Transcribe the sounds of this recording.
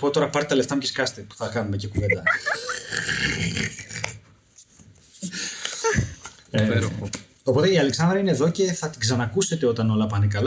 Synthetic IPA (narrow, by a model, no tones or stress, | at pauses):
pot̪o̞ɾɐpɐɾt̪t̪ɐleft̪ɐmceskɐst̪epu̥θɐkɐnumecekuvend̪ɐ | ɾoo | o̞po̞t̪e̞iɐle̞ksɐnd̪ɾɐineðo̞ce̞θɐt̪iɡzɐnɐkuse̞t̪e̞o̞t̪ɐno̞lɐpɐnekɐl